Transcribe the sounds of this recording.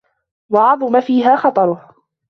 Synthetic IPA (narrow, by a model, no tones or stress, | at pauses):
wɑʕɑðˤʊmafiːɦaːxɑt̪ˤɑɾˤʊh